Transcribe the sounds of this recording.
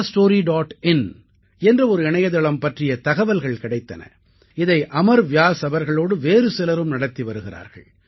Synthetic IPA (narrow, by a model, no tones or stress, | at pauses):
sʈoːɾiɖaːʈɪn | ɛndrɐɔɾɯɪɳɐjɐðɐɭɐmpɐʈrɪjɐt̪ɐɣɐʋɐlɣɐɭkɪɽɐɪt̪ːɐnɐ̰ | ɪðɐɪʔɐmɐɾʋjaːsɐʋɐɾɣɐɭoːɽɯʋeːɾɯsɪlɐɾɯmnɐɽɐt̪ːiʋɐɾɯɣɪɾa̰ːɾɣɐ̰ɭ